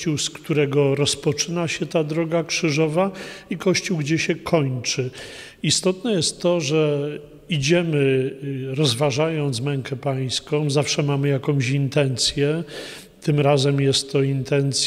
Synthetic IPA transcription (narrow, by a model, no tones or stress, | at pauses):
t͡ɕuwskt̪uɾɛɡɔɾɔspɔt͡ʂɘnaɕɛt̪ad̪ɾɔɡakʂɘʐɔvaikɔɕt͡ɕuwɡd͡ʑɛɕɛkʰɔɲt͡ʂɘ | ist̪ɔt̪nɛjɛst̪ːɔʐɛ | id͡ʑɛmɘɾɔzvaʐajɔnt̪smɛŋkɛpaj̃skɔ̃w̃zafʂɛmamɘjakɔ̃w̃ɕint̪ɛnt̪sʲjɛ | t̪ɘmɾazɛmjɛst̪ːɔint̪ɛnt̪s